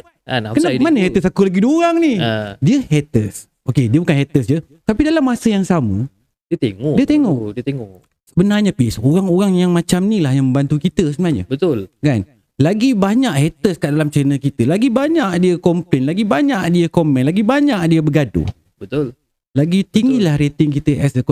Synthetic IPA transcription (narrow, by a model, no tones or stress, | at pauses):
anakənamanəhet̪əsakulaɡidoɾaŋnidiəɦet̪əs | okediəbukanɦɛt̪əsd͡ʒə | t̪apidalamːasəjaŋsamə | diət̪eŋɔdiət̪eŋɔʔdiət̪eŋɔʔ | səbənarɲapisoɣaŋoɾaŋjaŋmat͡ʃamnilahjaŋmə̃mbant̪ukit̪əsəbənaɲə̰bət̪ʊlkan | laɡibaɲaʔhet̪əskaʔdalamt͡ʃəɾənəkit̪əlaɡibaɲaʔdiəkɔmpɛnlaɡibaɲaʔdiəkomɛ̃nlaɡibaɲaʔdiəbəɡado̰ | bət̪ʊl | laɡit̪iŋɡilahɾet̪ɪŋk̬it̪əʔɛsək